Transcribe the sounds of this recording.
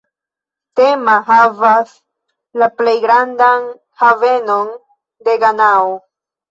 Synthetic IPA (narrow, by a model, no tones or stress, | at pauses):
te̞maɦavas | laple̞jɡɾandan | have̞no̞n | de̞ɡanao